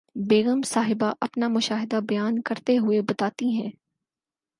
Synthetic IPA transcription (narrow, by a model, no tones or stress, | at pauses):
beːɣəmsaːɦɪbaʔɐpnamʊʃaːɦɪd̪abɐjaːnkɐɾt̪eɦʊebɐt̪aːt̪iɦɛ̃ː